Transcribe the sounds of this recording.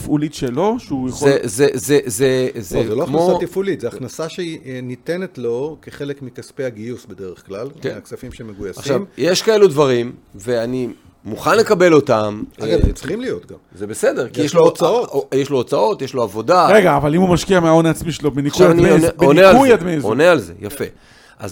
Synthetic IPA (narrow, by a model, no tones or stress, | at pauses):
fulitʃelo̞ʃeujeχzezezezezezeloaχmnaosatifulit̪zeaχnasaʃeinitenetlo̞keχelekmikaspejaɡijusbedeʁeχklalkksafimʃemeɡujasaχʃamjeʃkaelud̪vaʁimveani | muχanle̞kabe̞lo̞tamɡavsχimlijo̞t̪̚ɡamzebe̞sede̞ʁkijeʃlooaoojeʃloːt͡sao̞tjeʃlo̞avo̞daʁeɡaːvalimhumaʃkiameaonaːt͡smiʃelobenikuanineonealujad̪mizonealze̞̰jafe̞̰ | ʔa̰z